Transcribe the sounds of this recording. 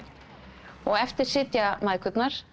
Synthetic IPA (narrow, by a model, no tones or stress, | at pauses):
ɔɣɛft̪ɪɾ̥sɪt̪jamaːðkʰʏt̪naɾ̥